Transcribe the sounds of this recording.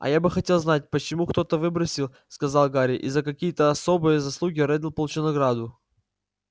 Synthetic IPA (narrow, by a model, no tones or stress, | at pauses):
ɐ̰jabɨxɐtʲe̞lˠznat̚ʲpət͡ɕɪmukt̪o̞t̪əvɨbɾəsʲɪlˠ | skɐzɑlˠɡaɾʲɪʔḭzəkɐkʲijət̪əɐsobɨjəzɐslˠuɡʲɪɾɛd̪ɪlˠpəlˠʊt͡ɕɪnɐɡɾad̪ʊ